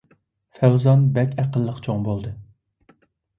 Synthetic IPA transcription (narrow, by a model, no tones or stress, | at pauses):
fæwzɑnbɛkʲʰæqəlˠːəqt͡ʃʰoŋbolˠd̪ɨ